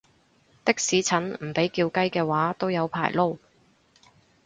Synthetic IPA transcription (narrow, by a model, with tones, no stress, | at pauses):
t̪ɪ˥k̚siː˨˥t͡sʰɐ˨˥nm̩˨˩pe˨˥jkiː˧wkɐ˥jkɛː˧waː˨˥t̪o˥wjɐ˨˧wpʰa̰ː˨˩jlo˥w